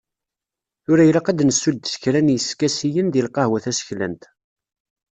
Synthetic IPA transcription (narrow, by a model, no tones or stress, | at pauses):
θʊɾæjɾaqæd̪nəsːud̪sə̥çɾænjəskæsijənðilqɑhwæθæsə̥çlæ̰nt̪